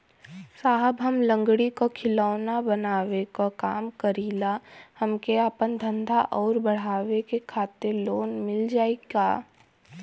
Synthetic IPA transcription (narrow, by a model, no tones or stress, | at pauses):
saːɦəbɦɐmlə̃ŋɡɽikokʰɪlaːnabɐnaːʋekokaːmkəɾiːlahɐmkeaːpənd̪ʱə̃nd̪ʱaʔɔːɾbɐɽ̤aːʋekekʰaːt̪ɪɾloːnmɪld͡ʒaːeɡaː